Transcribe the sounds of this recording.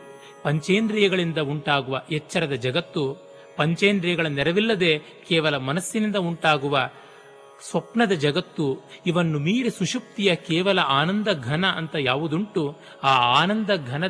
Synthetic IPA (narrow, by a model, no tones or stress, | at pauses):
pɐɲt͡ʃeːnd̪ɾijɐɡɐɭind̪ɐuɳʈaːɡuʋɐɛt͡ʃːɐɾɐd̪ɐd͡ʒɐɡɐt̪ːu | pɐɲt͡ʃeːnd̪ɾijɐɡɐɭɐnnːɛɾɐʋilːɐd̪e̞ | kɛːʋɐlɐmɐnɐsːinind̪ɐuɳʈaːɡuʋɐ | sʋɐpɳɐd̪ɐd͡ʒɐɡɐt̪ːuiʋɐnːumiːɾesuʂup̚t̪ijɐkɛːʋɐlɐʔaːnɐnd̪ɐɡʱɐnɐʔɐnt̪ɐjaːʋud̪uɳʈu | aːaːnɐnd̪ɐɡʱɐnɐ